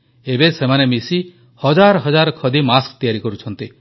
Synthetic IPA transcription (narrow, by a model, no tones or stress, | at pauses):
ebesemanemisi | hɔd͡ʒaɾɔɦɔd͡ʒaɾɔkʰɔd̪imaskt̪ijaɾikɔɾut͡ʃʰɔnt̪i